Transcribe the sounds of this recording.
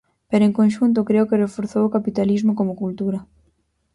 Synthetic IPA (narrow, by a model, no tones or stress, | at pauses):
peɾoeŋkõnʃunt̪̬okɾeokɪrefoɾθowokapit̪alizmokomokult̪uɾɐ